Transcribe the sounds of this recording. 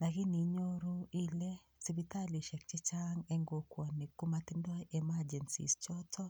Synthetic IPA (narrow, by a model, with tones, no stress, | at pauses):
lakɪ˦ni˨ɲo˦ɾo˦i˦lɛ˦ | si˦bita˦li˨ʃɛ˨k̚t͡ʃɪ˦t͡ʃaŋɛ˦ŋɡokwɔ˨ni˨ku˦mat̪ɪ˦ndɔ˦jɛmad͡ʒɛ˨nsḭ˨st͡ʃɔ˦tʰɔ˦